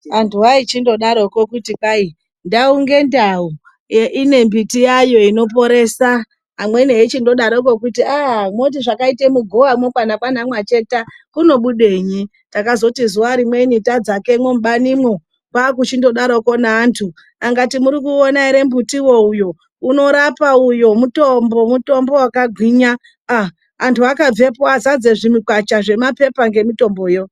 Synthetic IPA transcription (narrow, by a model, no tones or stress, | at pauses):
antʰuait͡ʃindo̞ɗaɾokokutikai | ndauŋɡe̞ndau | ʔine̞mbitijajo̞ino̞p̬o̞ɾe̞ːsa | ɦamwe̞ineit͡ʃindo̞ɗaɾok̬o̞kutiamot̬iʐakaitemuɡʱoʋamopanapanamwat͡ʃe̞takuno̞ɓuɗeɲi | takazo̞tizuwaɾimwe̞initad͡zake̞mwom̩uɓanimwo̞ | kwaːk̬ut͡ʃindo̞ɗaɾoko̞naːntʰu | aŋɡatimuɾikuonaiɾe̞mbutiwoujo̞ | uno̞ɾapaujo̞muto̞mbo̞muto̞mbo̞wakaɡʱwiɲaː | antʰuakab͡ve̞pazad͡zeʐimikwat͡ʃaʐe̞mape̞paŋɡe̞mito̞mbojo